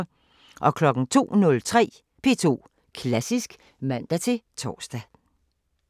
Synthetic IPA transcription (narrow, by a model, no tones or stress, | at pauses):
ʔɒ̽kʰlɒ̽ɡ̥n̩t͡sʰo̝̰ːnɔ̽lt͡sʰʁɛ̰ː | pʰe̝ːt͡sʰo̝̰ː | kʰlæsisɡ̥ | mæn̰d̥æt͡sʰe̝t͡sʰɒ̰ːsd̥æ